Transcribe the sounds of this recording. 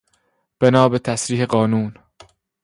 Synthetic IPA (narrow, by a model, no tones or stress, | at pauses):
b̥enɒːbet̪ʰæsɾiːheɢɒːnuːn